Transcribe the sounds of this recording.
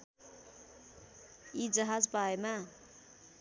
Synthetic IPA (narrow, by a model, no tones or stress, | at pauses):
id͡zʌɦad͡zbaema